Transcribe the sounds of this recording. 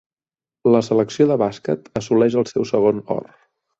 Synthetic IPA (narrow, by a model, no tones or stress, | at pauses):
ləsələksioðəβaskə̰t̪əsulɛʃ̬əlˠsɛwsəɣ̞onɔ̰r